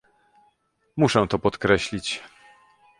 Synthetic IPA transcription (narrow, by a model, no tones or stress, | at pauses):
muʂɛ̃t̪ɔpɔt̪kɾɛɕlʲit͡ɕ